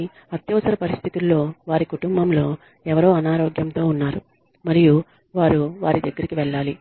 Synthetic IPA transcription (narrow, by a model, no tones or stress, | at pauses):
ɐt̪jɐʋɐsɐɾɐpɐɾist̪ʰit̪ilːo̞ːʋaːɾikuʈumbʱɐmlo̞ː | ɛʋɐɾo̞ːɐnaːɾoːɡjɐmt̪o̞ːunːaːɾu | mɐɾiju | ʋaːɾuʋaːɾid̪ɐɡːɐɾikiʋɛɭːaːli